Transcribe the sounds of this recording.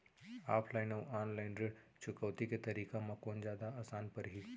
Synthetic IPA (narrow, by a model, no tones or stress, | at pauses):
aːpʰlaɪnowaːnlaɪnɾeɽ | t͡ʃʰʊkəːt̪iket̪ɐɾiːkamãkoːnd͡ʒjaːd̪aaːsaːnpɐɾɦi